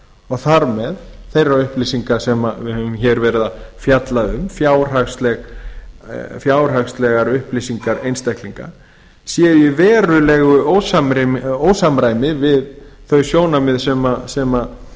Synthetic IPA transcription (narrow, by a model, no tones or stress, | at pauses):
ɔɣθaɾmɛðθejraʏhplisiŋkasɛmavɪhɛvʏmçɛːɾvɛːɾɪðafjat̪laðʏmfjaːwr̥akst̪lɛɣ | fjaːwr̥axst̪lɛɣaɾʏhplisiŋkaɾejnst̪ahkliŋka̰ | sjɛɪvɛːɾʏlɛɣʏoːwsamɾoːwsamɾaːjmɪvɪðθœɥsjoːwnamɪðsɛmasɛma